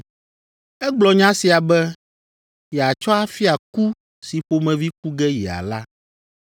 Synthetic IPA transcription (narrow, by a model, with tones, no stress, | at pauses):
ɛ˦ɡ͡blɔ˨ɲã˦si˨a˨bɛ˦ | jɛ˨a˨t͡ʃɔ˦a˦fi˦a˨ku˦ | si˨ɸo˦mɛ̃˨vi˦k̚u˦ɡɛ˦jḭ˨a̰˨la˦